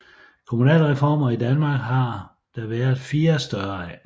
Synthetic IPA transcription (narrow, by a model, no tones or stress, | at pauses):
kʰo̝munɛ̰ːlʁɛfɒ̰ːmɐid̥ænmɑ̈ːɡ̥ɦɑ̈ | d̥æʋæːɐð̩ˠfiːɐsd̥ɶɐæ